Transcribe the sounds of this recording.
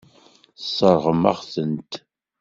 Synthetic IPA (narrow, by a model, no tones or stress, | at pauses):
sˤːəɾˤʁəmæ̰ʁθənt̪